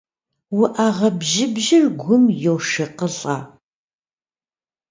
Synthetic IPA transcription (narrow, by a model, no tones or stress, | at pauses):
wʊʔaːʁɐbʒɪbʒɪrɡʷʊmjowʂɐqəɬʼaː